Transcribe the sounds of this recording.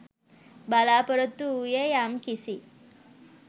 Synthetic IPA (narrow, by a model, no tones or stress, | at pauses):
balapəɾət̪ːujejamkisi